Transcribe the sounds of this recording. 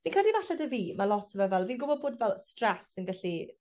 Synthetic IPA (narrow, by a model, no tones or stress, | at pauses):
viːnkradivaɬɛdəviːmalɔtʰəvɔvɛlviːnɡʊbɔd̚boːdvɛlˠstrɛsɪnɡɛɬi